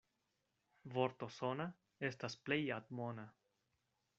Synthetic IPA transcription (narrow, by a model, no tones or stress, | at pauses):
voɾt̪osona | e̞stasplejat̪mona